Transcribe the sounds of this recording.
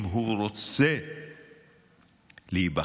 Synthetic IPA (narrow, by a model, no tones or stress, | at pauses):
mɦuɾot͡se | liiba